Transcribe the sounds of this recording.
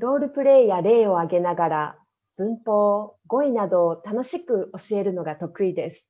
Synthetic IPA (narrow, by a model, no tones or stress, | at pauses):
ɾo̞ːɾɯ̟pɯ̟ɾe̞ijaɾe̞ːo̞aɡe̞naɡaɾa | b̥ɯ̟̃mpo̞ːɡo̞inad̪o̞ːt̪ano̞ɕikɯ̟o̞ɕie̞ɾɯ̟no̞ɡat̪o̞kɯ̟id̪e̞sɨ̥